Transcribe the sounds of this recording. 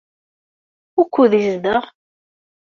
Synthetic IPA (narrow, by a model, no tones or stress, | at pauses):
ʊkʷːuðizðəʁ